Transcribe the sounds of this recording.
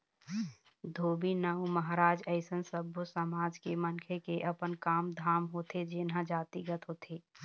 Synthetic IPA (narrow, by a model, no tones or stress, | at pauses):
d̪ʱoːbinəuməɦɾaːd͡ʒəɪsənsəbʱosəmaːd͡ʒkemənkʰekeʔəpənkaːmd̪ʱaːmɦoːt̪ʰed͡ʒɪnɦãd͡ʒaːt̪iɡət̪ɦoːt̪ʰeː